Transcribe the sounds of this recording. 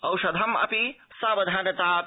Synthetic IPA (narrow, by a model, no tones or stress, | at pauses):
ɐwʃɐd̪ʱɐmɐ̰pisaːbɐd̪ʱaːnɐt̪aːp